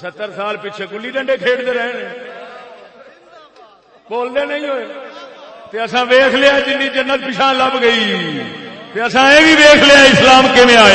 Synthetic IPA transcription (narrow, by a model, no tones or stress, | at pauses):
sət̪ːəɾsaːlpɪt͡ʃʰeːkʊlːiːɖəɳɖeːkʰeːɽd̪eːɾɛːneː | boːld̪eːnəĩːɦoːeː | t̪eːəsãːʋeːkʰleaːd͡ʒɪnːĩːd͡ʒənːət̪̚pɪʃãːləbɡəiː | t̪eːəsãːeːʋiːʋeːkʰleaːɪslaːmkɪmẽːaːa